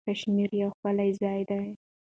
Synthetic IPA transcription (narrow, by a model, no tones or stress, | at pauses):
kaʃmiɾjawxpəlajzɑjd̪aj